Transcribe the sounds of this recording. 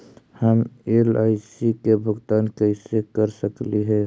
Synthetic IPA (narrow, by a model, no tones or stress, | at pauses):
həmelaɪsikebʱʊɡt̪aːnkəɪsekəɾsəkliɦɛ